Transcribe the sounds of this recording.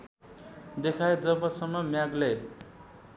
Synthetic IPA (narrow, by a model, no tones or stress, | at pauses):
d̪ekʰajd͡zʌbʌsʌmːʌmjaɡle